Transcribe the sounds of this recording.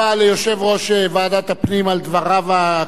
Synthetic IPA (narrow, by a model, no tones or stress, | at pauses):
alejoʃe̞vʁo̞ʃevaːd̪at̪apnimald̪vaʁava